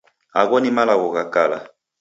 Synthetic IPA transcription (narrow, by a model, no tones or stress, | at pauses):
a̰ɣɔnimalaɣɔɣakala̰